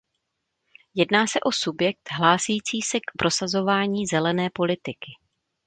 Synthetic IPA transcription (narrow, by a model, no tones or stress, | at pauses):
jɛdnaːsɛʔo̞subjɛk̚t̪ɦlaːsɛjiːt͡siːsɛkpɾʔo̞sazo̞vaːɲiːzɛlɛnɛːpo̞lɪt̪ɪkɪ